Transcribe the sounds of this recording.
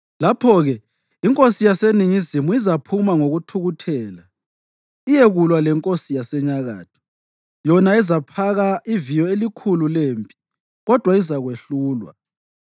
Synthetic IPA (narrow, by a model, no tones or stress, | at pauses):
lapʰɔɣɛ | iŋkʼosijaseniŋizimuizapʰumaŋoɣutʰuɣutʰɛːla | ijeɣulwalɛŋkʼosijasɛɲaɣa̰ːtʰɔ̥ | jɔnaɛzapʰaɣaivijɔelikʰululeːmpʼi̥ | ɣɔd̥ʱwaizaɣweɬuːlwa̰